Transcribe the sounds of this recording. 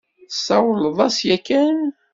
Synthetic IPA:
sɑwələðˤɑsjækːən

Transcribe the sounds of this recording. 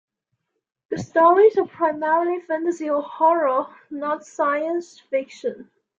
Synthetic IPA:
ðəstɔɹizəvpʰɹ̥aɪmɛɹəlˠifæ̃ntəziəlhɔɹə | nətsaɪə̃ns | fɪkʃə̃n

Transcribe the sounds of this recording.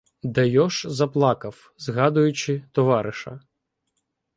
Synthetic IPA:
d̪ɐjɔʃzɐplˠɑkɐw | zɦɑd̪ʊjʊt͡ʃɪt̪ɔʋɑɾɪʃɐ̰

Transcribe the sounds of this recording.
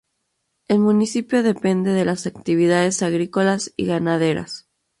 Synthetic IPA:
e̞lmũnisipjoðe̞pe̞nd̪e̞ð̞e̞lasak̚t̪iβ̞iðaðe̞saɣɾiko̞lasḭɣanaðe̞ɾa̰s

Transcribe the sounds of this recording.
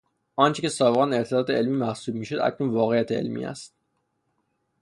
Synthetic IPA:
ɒːnt͡ʃʰicesɒːbeɣɑneɾt̪ʰed̪ɒːt̪ʰeelmiːmæhsuːb̚miːʃod̪æ̰cʰnunvɒːɣe̞jæt̪ʰeḛlmḭæ̰st̪̚

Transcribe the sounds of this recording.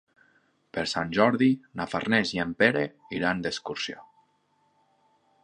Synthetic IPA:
peɾsanʲʒɔɾðinafarneziempeɾe | iɾand̪eskuɾsjo

